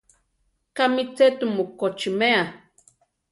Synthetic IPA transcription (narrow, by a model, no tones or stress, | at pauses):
kamit͡set̪umokot͡ʃimea